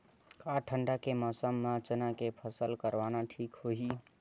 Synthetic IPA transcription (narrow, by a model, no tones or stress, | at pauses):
kaʈʰəɳɖakeməsəmːãt͡ʃənakepʰəsəlkəɾʋanaʈʰikɦhoɦi